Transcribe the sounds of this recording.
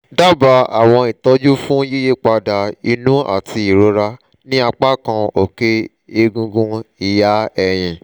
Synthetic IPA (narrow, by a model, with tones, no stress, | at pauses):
da˦ba˧˦a˨w̃ɔ̃˧i˨tɔ˧˦d͡ʒu˦fũ˦je˦je˦k͡pa˧da˨i˧nũ˦a̰˦˨tʰi˧i˨ɾo˧˦ɾa˧ | nĩ˦a˧k͡pa˦kã˧o˨ke˦ | e˧ɡũ˧ɡũ˧i˨ja˨˦ɛ˧˨j̃ĩ˨